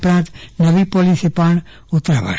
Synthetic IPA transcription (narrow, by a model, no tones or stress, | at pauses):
pɾãːnt̪nəʋipoːlisepaːɳ | ʊt̪ːɾa̰ba̰